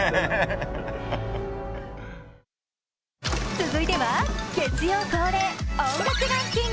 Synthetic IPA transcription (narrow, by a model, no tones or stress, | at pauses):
t͡sɨzɨit̪e̞βakẽɲd͡ʑijosoːɾeõŋɡakɯɡakʲĩŋ